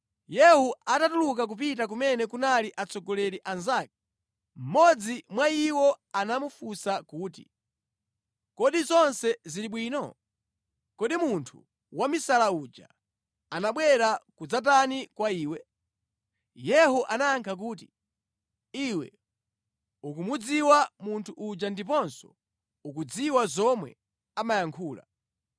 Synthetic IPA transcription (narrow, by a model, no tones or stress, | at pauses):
jɛhuatatuluk̬ak̬up̬it̬ak̬umɛnɛkunaliʔat͡sɔɡɔlɛɾiʔanzaːk̚i̥ | m̩mɔd͡zimwaiwɔanamufusakuːtḭ | kɔɗizɔnsɛziliɓwiːnɔ | kɔɗimuntʰu | wamisalaud͡ʒa̰ | anaɓwɛɾakud͡zat̬anikwaiːwɛ | jɛɦuʔanaːŋkʰak̬uːt̬i | iwɛ̰ | ukumud͡ziwamuntʰuʔud͡ʒandipɔnsɔ̥̰ | ukud͡ziwazɔmwɛ̰ | amajaŋkʰuːla̰